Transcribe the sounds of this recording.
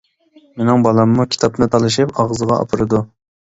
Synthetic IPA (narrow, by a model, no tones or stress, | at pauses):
menɪŋbɑlˠɑmːukʲʰi̥t̪ʰɑp̚nɨt̪ʰɑlˠɨʃɨpɑʁzəʁɑʔɑ̰pʰɨɾɨd̪u